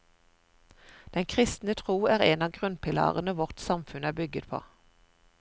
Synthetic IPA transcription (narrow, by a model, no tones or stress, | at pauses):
d̪̥ɛnkʰʁɪst̪n̩ət̪ʰʁuːæːʁeːnɑːɡʁʉnpʰɪlɑ̰ːʁənəʋɔʁt̪sɑmfʉnæːbʏɡət̪pʰo̰ː